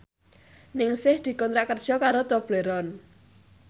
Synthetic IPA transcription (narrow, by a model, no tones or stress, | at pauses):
nɪŋsɪhd̪̥i̤kɔnt̪ɾaʔkərd̥ʒ̥ɔkaɾot̪ob̥leɾɔn